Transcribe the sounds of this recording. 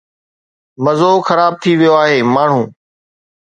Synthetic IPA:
məzoːxəɾaːb̚t̪ʰiʋɪjoaːɦeːmaːɳ̤ũː

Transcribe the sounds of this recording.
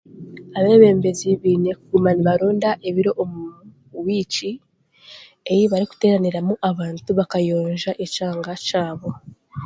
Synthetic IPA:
aβeβe̞ːmbeziβiːne̞kuɡumaniβaɾoːndaʔe̞βiɾo̞ʔomu | wiːt͡ʃi | ejiβaɾiku̥te̞ːɾaniɾamuʔaβaːntuβakajoːɲʒaʔet͡ʃaːŋɡat͡ʃaːβo̞

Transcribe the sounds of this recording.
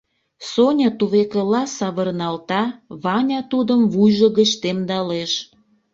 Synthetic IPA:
sonʲɑt̪uβekəlɑsɑβərnɑlt̪ɑβɑnʲɑt̪ud̪əmvujʒəɣət͡ɕt̪emd̪ɑleʃ

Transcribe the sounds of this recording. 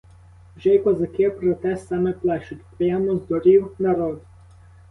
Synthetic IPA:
wʒɛjkwɔzɐkɪpɾɔt̪ɛsɑmɛplˠɛʃʊtʲpɾɪjamɔzd̪ɔɾʲiwnɐɾɔd̪

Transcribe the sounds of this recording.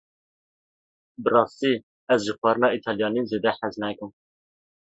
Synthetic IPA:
bɨrɑːst̪iː | ɛzʒɨxwæɾɨnɑːit̪ʰɑljɑːniːzeːd̪ɛħæznɛkɨm

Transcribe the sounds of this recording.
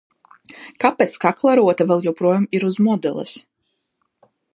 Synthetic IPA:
kapet̪skaklˠaɾuɔt̪avɛlˠjɛwpɾuɔjamiɾuzmɔd̪ɛlˠɛ̰s

